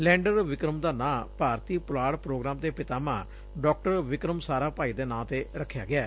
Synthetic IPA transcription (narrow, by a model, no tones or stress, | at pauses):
lɛ̃ːɳɖəɾʋɪkɾəmd̪aːnãːpaːɾt̪iːpʊlaːɽpɾoːɡɾaːmt̪eːpɪt̪aːmãː | ɖɔːk̚ʈəɾʋɪkɾəmsaːɾaːpaːiːd̪eːnãːt̪eːɾəkʰːja̰ːɡɪaː